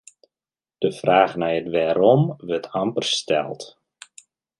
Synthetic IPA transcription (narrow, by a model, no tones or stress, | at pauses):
d̥əfraːχnɛjətʋɛːɾɔmʋɵtʰampərstɛ̰lˠt